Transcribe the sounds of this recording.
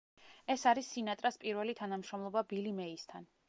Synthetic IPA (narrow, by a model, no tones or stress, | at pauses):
ɛsaɾisːinat̪ʼɾaspʼiɾvɛlit̪ʰanamʃɾɔmlˠɔbabilimɛist̪ʰan